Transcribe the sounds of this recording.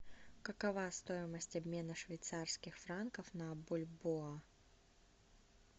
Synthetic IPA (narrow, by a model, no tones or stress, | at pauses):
kəkɐvast̪o̞ɪməsʲtʲɐbʲmʲe̞nəʂvʲɪjt̪sarskʲɪxfɾankəfnɐːbolʲboa